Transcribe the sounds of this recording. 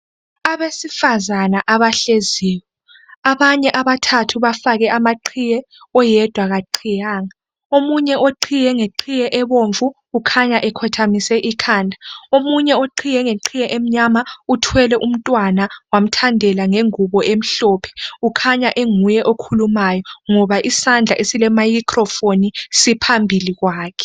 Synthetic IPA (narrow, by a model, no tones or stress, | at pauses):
aβesifazanaʔaβaɬeziːwɔ | aβaɲɛʔaβatʰatʰuβafaɣɛʔamaǃʰijɛ | ɔjɛd̥ʱwaɣaǃʰijaːŋa | omuɲɛʔoǃʰijɛŋeǃʰijɛʔɛβoɱvuːkʰaɲaʔɛkʰɔtʰamisɛʔikʰaːndʱḁomuɲɛoǃʰijɛŋeǃʰijɛʔem̩ɲamautʰwɛlɛʔum̩tʼwanawam̩tʰandʱɛlaŋeŋuβɔʔem̩ɬɔːpʰɛ̥ukʰaɲaʔeŋujɛʔokʰulumajɔŋɔβaʔisand͡ɮʱaʔesilɛmajikʰʼrɔfonisipʰambʱiliɣwaːkʰɛ̥